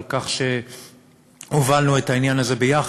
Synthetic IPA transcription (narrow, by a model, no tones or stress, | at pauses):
kaχʃe̞ | ovalnuetainjanaze̞bejaχ